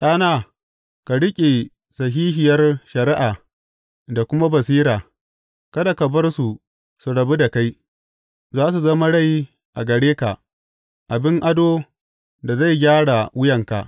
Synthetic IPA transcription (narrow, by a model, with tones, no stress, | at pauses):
ʔaː˦naː˦˨ | ka˨ɽɪ˦kʲʼe˨ | sɐ˨ɦiː˦ɦɪ˨jɐ˦rʃɐ˨ɾɪ˦ʔaː˨ | da˨kʷʊ˦ma˦bɐ˨siː˦ɾaː˨ | kɐ˦da˨ka˨bɐ˦rsu˨ | su˨ɽɐ˨bu˦da˨ka˦j | zaː˦s̬u˨zɐ˦ma˦ɽa˦˨ji˦ | ʔa̰˨ɡɐ˨ɽeː˦ka˨ʔ | ʔa˨bɪ˦ŋʔa˦doː˦ | da˨za˦˨jɡʲaː˦ɽa˨wʊ˦jɐ˨ŋka̰˨ʔ